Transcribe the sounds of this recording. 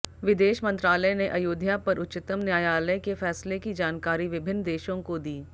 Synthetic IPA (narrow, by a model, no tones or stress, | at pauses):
ʋɪd̪eːʃmɐ̃nt̪ɾaːləneʔɐjoːd̪ʱjapɐɾʔʊtːt͡ʃɪt̪əmnjaːjaːləjkefɛːslekid͡ʒaːnkaːɾiʋɪbʱɪnːd̪eːʃõkod̪iː